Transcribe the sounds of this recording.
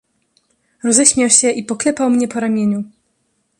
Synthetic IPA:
ɾɔzɛɕmʲjawɕɛʔipɔklɛpawmɲɛpɔɾamʲjeɲu

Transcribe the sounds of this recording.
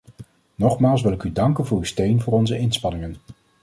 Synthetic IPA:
nɔχmaːlˠs̬ʋɪlˠɪkydɑŋkənvʊːɹystejnvʊːɹɔnzəɪnspɑnɪŋən

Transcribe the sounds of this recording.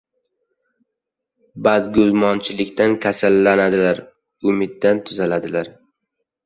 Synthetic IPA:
bad̪ɡʲʊzmɒnt͡ʃʰɪlɪkʲt̪ʰankʲʰasalːanad̪ɪlaɾ | ʊmɪd̪ːant̪ʰʊzalad̪ɪlaɾ

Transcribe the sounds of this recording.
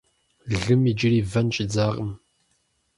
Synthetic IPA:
ɮɨmid͡ʒɪriːvɐnɕʼɪd͡zaːʁʼəm

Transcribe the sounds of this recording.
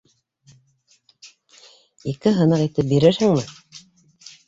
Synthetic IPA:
ikɘɦɤ̆nɤqit̪ɘp̚biɾɘɾhɘ̆ŋmɘ

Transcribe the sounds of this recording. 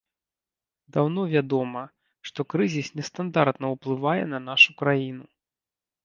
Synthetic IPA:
d̪awnɔvʲad̪ɔmɐ | ʂt̪ɔkɾɨzʲisnʲɛst̪and̪art̪nɐwplˠɨvajɛ̰nɐnaʂukɾajinu

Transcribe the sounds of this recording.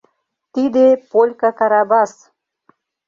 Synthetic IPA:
t̪id̪epolʲkakaɾɑbɑs

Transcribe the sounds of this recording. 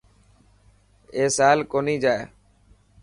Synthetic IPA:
eːsaːlkoːniːd͡ʒaːeː

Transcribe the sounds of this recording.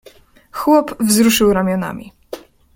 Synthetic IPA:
xwɔpvzɾuʂɘwɾamʲjɔna̰mʲḭ

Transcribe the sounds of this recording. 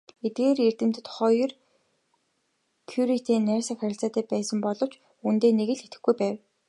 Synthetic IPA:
et̪̚ɡeːrer̥t̪ɘ̆m̥t̪ɘ̆t̪χɔj̆r | kʰjuɾit̪ʰeːnːæːsə̆kχæɾʲɪ̆ɬt͡saːt̪æːpæːsə̆mpɔɮɞ̆w̥t͡ɕ | unt̪eːneɣɘ̆ɮxet̪ɘ̆xɡujpæːw

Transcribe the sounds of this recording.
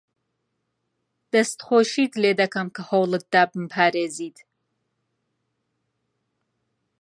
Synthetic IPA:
d̪̥ɐst̪χoːʃiːt̪leːd̪ɐkʰɐmkʰɐhowlˠɨt̪̚d̪aːbmpʰaːɾeːziːt̪ʰ

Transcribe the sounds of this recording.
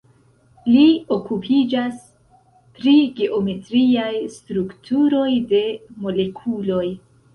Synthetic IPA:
lio̞kupʰid͡ʒas | pɾiɡe̞ʔo̞me̞tɾiajstɾuktʰuɾo̞jde̞mo̞le̞kʰulo̞j

